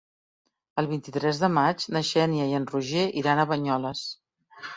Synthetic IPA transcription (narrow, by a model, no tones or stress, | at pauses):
əlˠβint̪it̪ɾɛzðəmad͡ʒnəʃɛniəjənruʒeʔiɾanəβəɲɔləs